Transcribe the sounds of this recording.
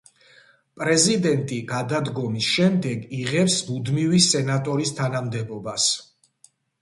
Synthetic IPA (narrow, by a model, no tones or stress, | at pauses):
pʼɾɛzid̪ɛnt̪ʼiɡad̪ad̪ɡɔmisʃɛmd̪ɛɡiʁɛpsmud̪mivisɛnat̪ʼɔɾist̪ʰanamd̪ɛbɔbas